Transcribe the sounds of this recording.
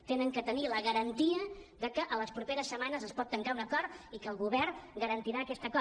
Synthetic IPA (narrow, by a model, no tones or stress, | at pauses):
t̪enəŋkət̪əniləɣəɾənt̪iəðəkəʔələspɾupeɾəsːəmanəzəspɔt̪ːəŋkaunəkɔrt̪ikəlˠɣuβɛrɡəɾənt̪iɾaːkɛst̪əkɔ